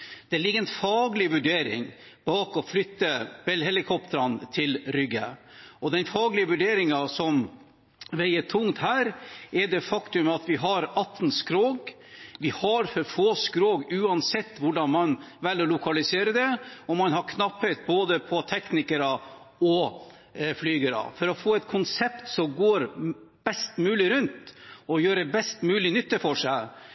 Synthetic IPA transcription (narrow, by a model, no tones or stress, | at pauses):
d̪̥ɛlɪɡːəɛnfɑːɡlɪʋʉɖeːɾɪ̰ŋ | b̥ɑːkɔflʏt̪ːəb̥ɛlɦɛlɪkʰɔpt̪əɾɑnt̪ʰɪlɾʏɡːəʔɔd̪ɛnfɑːɡlɪəʋʉɖeːɾɪŋɑsɔm | ʋæɪəʈ̪ʰʊŋt̪hæːɾɛɖɛfɑkt̪ʉmɑt̪ʋɪɦɑɾɑt̪ːn̩skɾoːɡ | ʋɪhɑɾfɔɾfoːskɾoːɡʉːɑnsɛt̪ːʋʊɖɑnmɑnʋɛlːɔlʊkɑlɪseːɾəd̪ɛɔmɑnɦɑɾkʰnɑpːət̪̚boːd̪əpʰɔt̪ʰɛknɪkəɾɑ | ɔ | flyːɡəɾɑ̰fɔɾɔfoːɛt̪kʰʊnsɛpt̪sɔmɡoːɾb̥ɛst̪mʉːlɪɾʉnt̪ɔjøːɾəbɛst̪mʉːlɪnʏt̪ːəfɔʂæɪ